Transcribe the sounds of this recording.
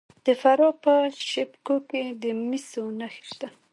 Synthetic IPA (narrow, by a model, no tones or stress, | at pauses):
d̪̥əfaɾɑpəʃepkoked̪əmisonaxʃt̪a